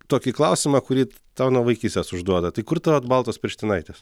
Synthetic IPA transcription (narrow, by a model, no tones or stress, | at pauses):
t̪oːkʲiklˠɐʊsʲɪmɐkʊɾʲiː | t̪ɐʊnuɔʋɐɪkʲiːsʲt̪ʲɛsʊʒd̪uɔd̪ɐt̪ɐɪkʊrt̪ɐʋɐt̪bɐlˠt̪oːspʲɪɾʲʃʲt̪ʲɪnɐɪt̪ʲeːs